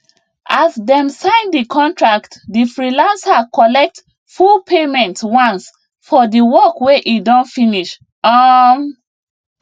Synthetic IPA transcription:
ʔasdɛ̃msãɪ̃ndikʰɔ̃ntɹaktdifɹilãnsakɔlɛk̚t | fulpʰemɛ̃ntwãns | fɔdiwɔkweʔidɔ̃nfĩniʃ | ɔm

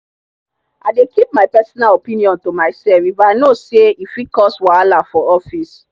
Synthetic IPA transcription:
a̰dekip̚maɪpɛsɔnalopĩniɔ̃ntomaɪsɛvibaaɪnoseifikɔswaalafɔɔfis

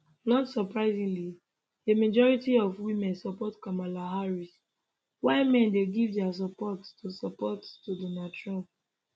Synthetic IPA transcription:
nɔtsɔpɹaɪzĩŋli | emad͡ʒɔɹitiɔvwimɛ̃nsɔpɔtkamalaɦaɹis | waɪmɛ̃ndeɡivdɛas̬ɔpɔttusɔpɔttudɔnadtɹɔ̃mp̚

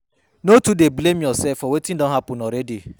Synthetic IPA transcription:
notudeblemjɔsɛlfɔwetĩndɔ̃nɦapʊ̃nɔɾɛdi

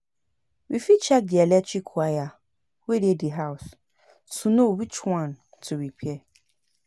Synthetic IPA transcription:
wifit͡ʃɛk̚dɪɛlɛt͡ʃikʰʊaja | weɾiediɦaʊs | sunowit͡ʃwãn | tʰʊwikʰiɛ

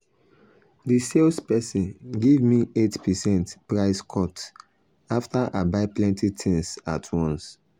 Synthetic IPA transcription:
diselspɛsĩnɡevmietpɛsɛ̃ntpɹaɪskʰɔt | aftaʔabaɪplɛ̃ntitʰĩnsatʰwɔ̃ns

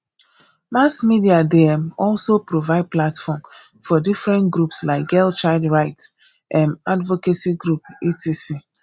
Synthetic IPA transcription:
masmidiadeɛmɔlsopɾovaɪd̚platfɔm | fɔdifɾɛ̃ntɡɾupslaɪk̚ɡɛlt͡ʃaɪldɹaɪts | ʔãnadvokesiɡɾupitisi

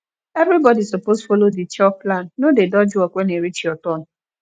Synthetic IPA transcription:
evɾibɔdisɔposfɔlodit͡ʃɔplanːodedɔd͡ʒʊɔkʷeneɾit͡ʃiɔtɔn̩

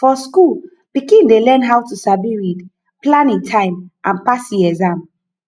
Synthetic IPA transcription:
fɔskul | pikĩndelɛ̃nɦawtusabiɹid | plãnĩntʰãɪ̃mʔãnpasiɛzãm

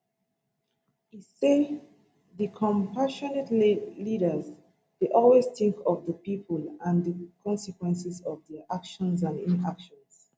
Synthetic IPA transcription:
ise | ðəkʰɔ̃mpaʃɔnətliɾə˞z | deʔɔlwezθɪ̃ŋkʰɔvðəpipʰəlãnðəkʰɔ̃nsikwɛ̃nsizɔvðɛʔakʃɔ̃nzãnĩnakʃɔ̃ns

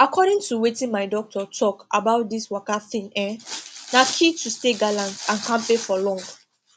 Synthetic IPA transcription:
akʰɔɾĩŋtuwetĩnmaɪdɔk̚tʰɔtʰɔkabaʊt̚diswakaθĩŋɛ̃nakʰitusteɡalãntãnkãmpefɔlɔ̃ŋɡ

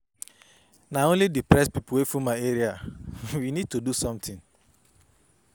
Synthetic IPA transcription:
naõnlidipɾɛspipuwefumaeɾiawinid̚tudusɔ̃mtʰĩŋ

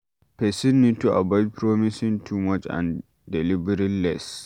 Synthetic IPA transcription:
pɛsinːituʔa̰bɔd͡ʒpʰɹɔmisĩŋtʰumat͡ʃã̰n | dɛlibɛɾilɛs

